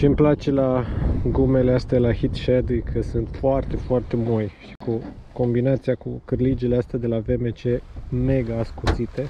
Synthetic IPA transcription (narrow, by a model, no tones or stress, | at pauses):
t͡ʃimplat͡ʃe̞laɡume̞least̪aelahit̪ʃed̪ujkʰəsunt̪foart̪e̞foart̪e̞mojʃi̥kuko̞mbinat̪siakukɨrlid͡ʒeleast̪ad̪e̞lave̞me̞t͡ʃe̞me̞ɡaːskusit̪e̞